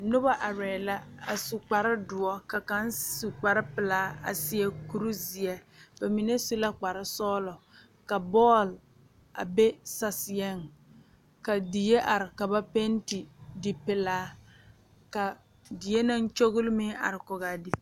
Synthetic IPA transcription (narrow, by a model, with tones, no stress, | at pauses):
nʊ˦ba˦ʔa˨ɾɛː˨la˦a̰˨su˨k͡pa˨ɾɪ˦dʊ˨ɔ˦ka˨ka˦nsu˨k͡pa˨ɾɪ˦pɪ˨laː˦a̰˨sɪ˦ɛ˦ku˦ɾu˦zi˨ɛ˦b̥a˨mi˨ne˦su˦la˦k͡pa˨ɾɪ˦sɔː˦lɔ˨ | ka˨bɔː˦˨l | a̰˨be˦sa˦sɪ˨jɛ˦˨ŋ | ka˨dɪ˨je˦ʔa˨ɾɪ˨ka˨ba˦pe˦n˦ti˨dɪ˨pɪ˨laː˦ | ka˨ | dɪ˨je˦na˦n˦t͡ʃo˦ɣʊ˦lmɪ˦a̰˨ɾɪ˨kʊ˨ɣa˨dɪ˨˦